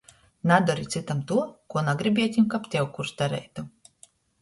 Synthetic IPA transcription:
nad̪ɔɾit̪sit̪amt̪uɔkuɔnaɡɾibʲiɛt̪ʲimkapt̪ʲɛwkuɾsd̪aɾɛ̰jt̪u

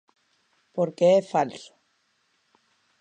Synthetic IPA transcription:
poɾkeefalso̥

